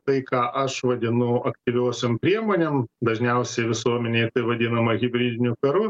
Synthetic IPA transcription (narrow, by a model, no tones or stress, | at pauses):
t̪ɐɪkɑːʔɐʃʋɐd̪ʲɪnʊɐkt̪ʲɪʋʲoːsʲompʲɾʲiɛmoːnʲemd̪ɐʒʲnʲɛʊsʲɛɪʋʲɪsuɔmʲɛnʲɛɪt̪ɐɪʋɐd̪ʲɪnɐmɐɣʲɪbʲɾʲiːd̪ʲɪnʲʊkɐɾʊ